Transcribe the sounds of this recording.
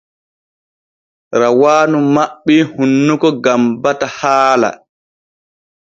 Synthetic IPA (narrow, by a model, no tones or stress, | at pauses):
ɾawaːnumaɓːihunːukɔɡambatahaːla̰